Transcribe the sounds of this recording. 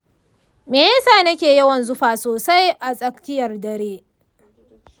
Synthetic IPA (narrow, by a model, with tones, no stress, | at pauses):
meː˨jɐ˦saː˨nɐ˦kʲeː˨jɐ˦wɐ˨nzʊ˦ɸaː˨soː˨sa˦jʔa˨sʼɐ˦kkʲɪ˦jɐ˨rdɐ˨ɾeː˦